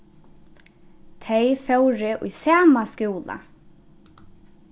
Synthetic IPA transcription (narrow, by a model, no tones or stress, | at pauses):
t̪ʰejfœwɾɪʔṵjsaːmaskuːla̰